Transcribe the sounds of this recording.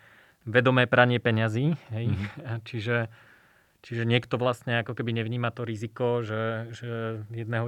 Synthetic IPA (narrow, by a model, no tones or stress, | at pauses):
ʋɛd̪ɔmɛːpɾaɲɪɛpɛɲaziːɦɛjt͡ʃiʒɛ | t͡ʃiʒɛɲɪɛkt̪ɔʋlasɲɛakɔkɛbiɲɛʋɲiːmat̪ɔɾizikɔʒɛʒɛjɛd̪nɛːɦɔ